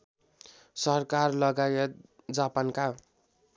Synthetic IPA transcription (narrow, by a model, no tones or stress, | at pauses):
sʌrkarlʌɡajet̪ | d͡zapanka